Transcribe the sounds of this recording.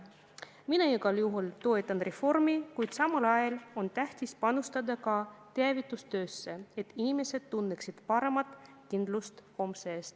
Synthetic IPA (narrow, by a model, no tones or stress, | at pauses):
minɑiɡ̥ɑljuɦult̪o̞et̪ːˑɑnre̞fo̞rmikujd̪̥sɑmɑlɑjɑlo̞nt̪æht̪ispɑnust̪ɑd̪ɑkɑt̪eɑvit̪ːˑust̪ø̞ːsːe̞et̪ːˑinime̞se̞d̪̥̚t̪unːeksid̪̥pɑɾe̞mɑt̪ːˑ | kind̪̥lust̪ho̞mseːst̪